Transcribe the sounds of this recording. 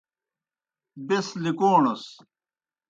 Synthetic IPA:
beslikoːnos

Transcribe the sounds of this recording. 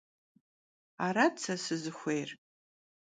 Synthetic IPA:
aɾat͡sʰasɨzɨxʷejr

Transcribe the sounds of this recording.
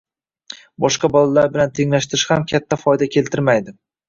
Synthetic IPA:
bɒʃqɑbɒlalaɾbɪlant̪ʰe̞ŋlaʃt̪ɪɾɪʃhamkʲʰat̪ʰːafɒjd̪akʲʰe̞lt̪ʰɪɾmajd̪ɪ

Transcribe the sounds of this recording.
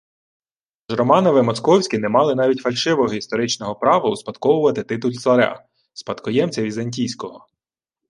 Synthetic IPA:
ʒɾɔmɑnɔʋɪmɔskɔwsʲkʲɪnɛmɑlˠɪnɑʋʲitʲfɐlʲʃɪʋɔɦɔist̪ɔɾɪt͡ʃnɔɦɔpɾɑʋɐʊspɐd̪kɔwʊʋɐt̪ɪt̪ɪt̪ʊlʲt̪sˠɐɾʲɑ̰ | spɐt̪kɔjɛmt͡sʲɐʋʲizɐnʲtʲijsʲkɔɦɔ

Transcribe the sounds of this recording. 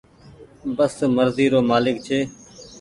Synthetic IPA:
bəsməɾziːɾoːmaːlɪk̚t͡ʃʰeː

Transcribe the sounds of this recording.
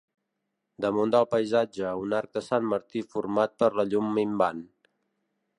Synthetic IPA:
d̪əmond̪əlˠpəjzad͡ʒəunaɾk̚d̪əsanməɾt̪ifuɾmat̪̚pəɾləʎumːimban

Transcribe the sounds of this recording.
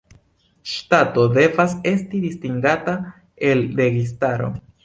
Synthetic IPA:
ʃtato̞de̞vase̞stidistiŋɡata | e̞lɾe̞ɡis̬taɾo̞̰

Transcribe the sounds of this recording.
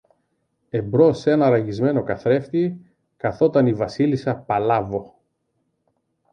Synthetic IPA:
e̞bɾo̞senɐɾɐʝizme̞no̞kɐθɾe̞ft̪i | kɐθo̞t̪ɐnivɐsilisɐpɐlɐvo̞

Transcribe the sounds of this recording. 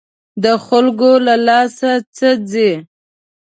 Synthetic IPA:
d̪əxʊlɡolalɑsat͡səd͡ze

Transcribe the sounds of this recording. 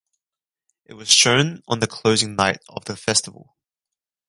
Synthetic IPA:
ʔɪʔ̚wɒz̥ʃə̃ʊ̃nə̃nðəkʰl̥əʊzɪ̃ŋnaɪtə̰vðəfɛstəvə̰lˠ

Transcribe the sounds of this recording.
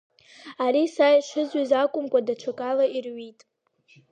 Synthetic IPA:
aɾisajʂɨzɥizakʷʼʊmkʷʼadaʈ͡ʂʰakʼalairɥitʼ

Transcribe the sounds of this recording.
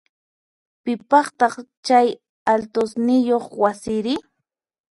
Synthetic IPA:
pɪpɑχt̪ɑχt͡ʃaj | alt̪osnɪjoχwasɪɾɪ

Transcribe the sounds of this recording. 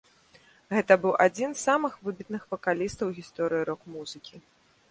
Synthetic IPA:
ɣɛt̪ɐbɨwʔad͡zʲinsːamɨxvɨbʲit̪̚nɨxvɐkalʲist̪ɐwɣʲist̪ɔɾɨjiɾɔkmuzɨkʲi

